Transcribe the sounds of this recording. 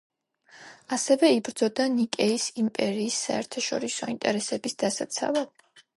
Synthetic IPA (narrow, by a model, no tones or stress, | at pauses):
asɛvɛibɾd̪zɔd̪anikʼɛisimpʼɛɾiːsːa̰ɛɾt̪ʰaʃɔɾisɔint̪ʼɛɾɛsɛbisd̪̥asat̪sʰa̰va